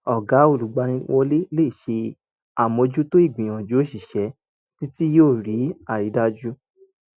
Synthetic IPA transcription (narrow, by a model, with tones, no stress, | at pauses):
ɔ˨ɡa˨˦o˨lu˨˦ɡ͡ba˧ɾ̃ĩ˧wʔɔ˧˦le˦le˦˨ʃe˧ | a˨mõ˧d͡ʒu˦to˦i˦˨ɡ͡bĩ˨ɔ̃˨d͡ʒu˦o˦˨ʃi˨ʃɛ˨˦ | ti˦ti˦joː˦˨ɾi˨˦a˦˨ɾi˨˦da˦d͡ʒu˦